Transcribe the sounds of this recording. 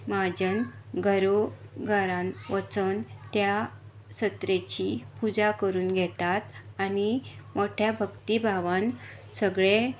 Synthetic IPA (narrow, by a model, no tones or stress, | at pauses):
mad͡ʑənɡʱəɾoɡʱəɾãnʋət͡sənt̪ja | ɕət̪ɾet͡ɕipud͡zakəɾuːnɡʱɛt̪at̪animoʈʰjabʱəkt̪ibʱaʋan | səɡɭe